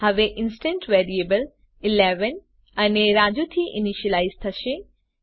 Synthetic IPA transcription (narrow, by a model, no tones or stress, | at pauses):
hɐʋeʔɪnsʈẽnʈʋeɾiebəl | ileʋən | ɐneɾad͡ʒut̪ʰiʔiniʃəlaizt̪ʰɐʃe